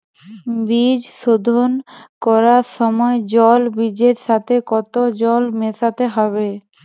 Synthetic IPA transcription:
bid͡ʑʃod̪ʱonkɔɾaɾʃɔmɔed͡ʑɔlbid͡ʑeɾʃat̪ʰekɔt̪od͡ʑɔlmesat̪eɦɔβe

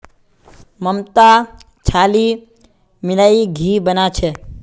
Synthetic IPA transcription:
məmt̪a | t͡ʃʰaːli | mɪlaiɡʱiːbənat͡ʃʰe

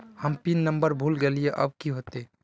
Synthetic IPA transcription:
həmpinːəmbəɾbʱulɡelijeʔə̰b̚kiɦot̪e

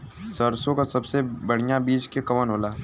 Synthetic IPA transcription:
səɾsõkasɐbsebɐɽ̤ijabiːt͡ʃkekɐmənɦoːlaː

